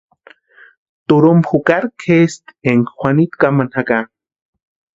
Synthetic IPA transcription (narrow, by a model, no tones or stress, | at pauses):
t̪uɾumxukaɾkʰest̪eŋxʷanit̪kamanhaka